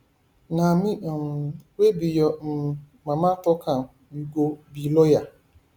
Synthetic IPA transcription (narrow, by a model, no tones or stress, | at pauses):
nãmĩmwebijɔm̩ | mãmãtɔkʰã | ĩɡobilɔja